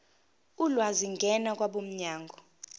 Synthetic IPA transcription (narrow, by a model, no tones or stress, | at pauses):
ulwaziŋɡʱɛnak̬ʼwaɓom̩ɲaːŋɡʱɔ